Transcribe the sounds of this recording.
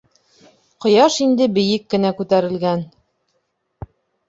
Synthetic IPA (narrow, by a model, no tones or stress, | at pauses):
qŏjɑʃind̪ɘbɘ̆jɘkːɘ̆nækʉt̪æɾɘ̆lɡæn